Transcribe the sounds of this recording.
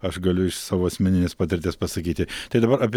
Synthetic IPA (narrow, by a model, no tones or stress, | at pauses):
ɐʃɡɐlʲʊɪʃsɑːʋoːɐsʲmʲɛnʲɪnʲeːspɑːt̪ʲɪɾʲt̪ʲeːspɐsɐkʲiːt̪ʲɪt̪ɐɪd̪ɐbɐɾʔɐpʲ